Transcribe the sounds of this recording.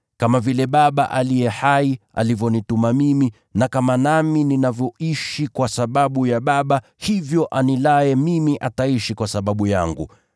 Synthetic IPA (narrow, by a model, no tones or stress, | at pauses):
kamavilɛɓaɓaʔalijɛhaia̰livjɔnitumamimi | nakamanamininavjɔʔiʃikwasaɓaɓujaɓaɓa | hivjɔʔanilajɛmimiʔataiʃikwasaɓaɓuja̰ŋɡṵ